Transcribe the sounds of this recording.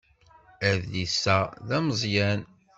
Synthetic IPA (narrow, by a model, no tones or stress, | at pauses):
æðisːæðæməzˤjæn